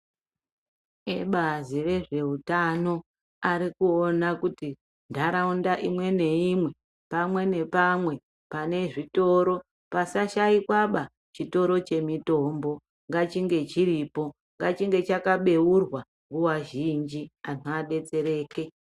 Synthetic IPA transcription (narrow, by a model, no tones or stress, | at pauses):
eɓazire̞ʐe̞utano̞ | aɾikuonakuti | ndʱaɾaundaʔimwe̞ne̞imwe̞ | pamwe̞ne̞pamwe̞ | pane̞ʐito̞ɾo̞ | pasaʃaikwaɓa | t͡ʃito̞ɾo̞t͡ʃe̞mito̞mbo̞ | ŋɡat͡ʃiŋɡe̞t͡ʃiripo̞ | ŋɡat͡ʃiŋɡe̞t͡ʃakaɓe̞urwa | ŋɡuwaʒind͡ʒianoaɗe̞t͡se̞ɾe̞ːke̞